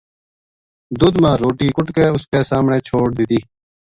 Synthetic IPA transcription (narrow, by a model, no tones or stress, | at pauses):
d̪ʊd̪mãːɾoːʈiːkʊʈkeːʊskeːsaːmɳẽːt͡ʃʰoːɽd̪ɪt̪iː